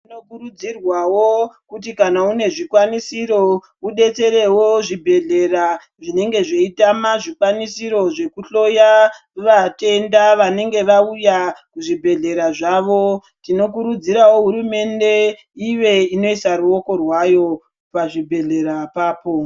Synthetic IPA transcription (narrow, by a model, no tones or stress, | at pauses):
tinokuɾud͡zirwawokutikanaune̞ʐikwanisiɾo̞ | uɗe̞t͡se̞ɾe̞wo̞ʐibʱe̞ɮe̞ra | ʐine̞ŋɡe̞ʐeitamaʐikwanisiɾo̞ʐe̞kuɬo̞ja | ʋate̞ndaʋane̞ŋɡe̞ʋaujakuʐibʱe̞ɮe̞ɾaʐaːʋo̞ | tino̞k̬uɾud͡ziɾawo̞ɦuɾume̞nde̞ | iʋe̞ino̞isaruo̞ko̞rwajo̞ | paʐibʱe̞ɮe̞ɾapaːpo̞